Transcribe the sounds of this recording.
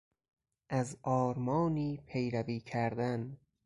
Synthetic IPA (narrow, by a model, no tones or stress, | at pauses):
ʔæzʔɒːɾmɒːniːpʰe̞jɾæviːkʰæɾd̪æn